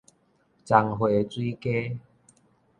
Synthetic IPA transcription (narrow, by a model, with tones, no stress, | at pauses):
t͡sa˨˩ŋɦwe˨˩t͡swi˦ke˦